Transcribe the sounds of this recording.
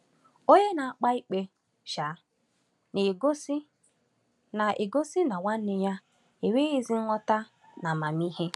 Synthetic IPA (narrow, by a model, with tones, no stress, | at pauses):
o˦ɲe˦na˨a˦k͡pa˦i˦k͡pe˦ | ʃa˨˦ | ne˨ɡo˦si˦ | na˨ʔe˨ɡo˦si˦na˨wa˦n̩˦ɪ˨ja˦ | e˨we˦i˦zi˦ŋʷɔ˦ta˦ | na˨ma˨mi˦ɦe˦